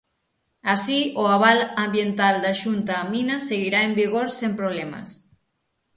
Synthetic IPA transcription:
asioaβ̞alambjent̪ald̪aʃunt̪aːminaseɣiɾaembiɣoɾsempɾoβ̞lɛmɐ̰s

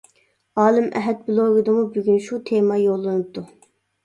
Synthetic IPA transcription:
ɑːlˠɨmʔɛɦɛt̪̚blˠoɡɨd̪ɨmubyɡʲynʃut̪ʰemɑjolˠːɨnɨp̚t̪u

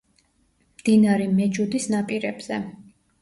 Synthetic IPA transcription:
md̪̥inaɾɛmɛd͡ʒud̪isnapʼiɾɛbz̥ɛ

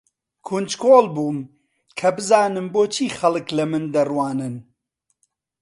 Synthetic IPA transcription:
kʰund͡ʒkʰoːlˠbuːm | kʰɐbɨzaːnɨmboːt͡ʃʰiːxɐlˠɨklɐmɨnd̪ɐrwaːnɨn

